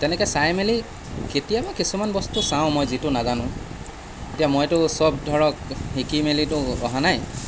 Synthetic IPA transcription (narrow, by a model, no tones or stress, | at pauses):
tɛnɛkɛsajmeli | ketijabakisumanbɔstusãw̃mojzitʊnazanʊ̃ | etijamojtʊsɔb̚dʱɔɹɔkhikimelitʊɔɦanaj